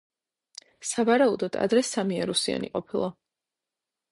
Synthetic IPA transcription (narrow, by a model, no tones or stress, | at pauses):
savaɾaud̪ɔd̪a̰d̪ɾɛsamiaɾusia̰nḭqʼɔpʰilˠɔ